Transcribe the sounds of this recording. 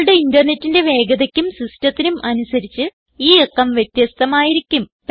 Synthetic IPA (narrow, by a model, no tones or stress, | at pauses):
ɽeindɐrne̞tːinde̞ʋe̞ːɡɐðɐkʲːumsristɐt̪ːinumʔɐnusɐɾit͡ɕːɨ | iːekːɐmʋjet̪jɐst̪ɐmaːjiɾikʲːump